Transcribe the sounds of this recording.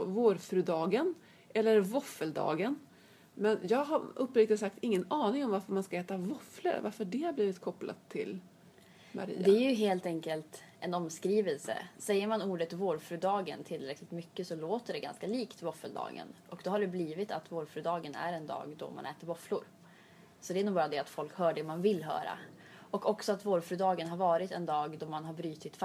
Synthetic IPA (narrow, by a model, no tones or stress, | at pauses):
voːɾfɾʉ̟ːd̪ɑːɡən | ʔɛlːəɾvɔfəld̪ɑ̰ːɡən | mɛnjɑːɡɦaɾɵpːɾɪk̚t̪əsak̚t̪ɪŋːənɑːnɪŋɔmvaɾfəɾmanskaɛːt̪avɔflə̰ɾva̰ɾfəɖɛhaɾbliːvɪt̪kʰɔpːla̰t̪ʰːɪ̰l | mʔa̰ɾḭːd̪ɛææɾjɵɦeːlt̪ɛŋkəlt̪ʔɛnɔmskɾiːvɛlsə̰sɛjːəɾmanuːɖət̪voːɖfɾʉːd̪ɑːɡənt̪ʰɪlːɾɛklɪt̪mʏkːəsɔloːt̪əɖɛɡa̰nskaliːkt̪vɔfːəld̪ɑ̰ːɡə̰nʔɔk̚d̪ɔhaɖɛbliːvɪt̪at̪voːɖfɾʉːd̪ɑːɡənæ̰ɾɛnd̪ɑ̰ːɡd̪ɔ̰ma̰nɛːt̪əɾvɔflʊɾ | sɔd̪ɛænuːbɑːɾad̪ɛat̪fɔlkhœːɖɛmanvɪlːɦœ̰ːɾa̰ | ɔkɔksɔat̪voːɖfɾʉ̟ːd̪ɑːɡənɦaɾvɑːɾɪt̪ɛnd̪ɑːɡd̪ɔmanɦaɾbɾyːt̪ɪt̪f